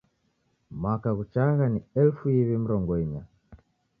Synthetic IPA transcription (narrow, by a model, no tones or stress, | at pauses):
mwakaɣut͡ʃaɣaniɛlfuiβim̩ɾɔŋɡɔiɲa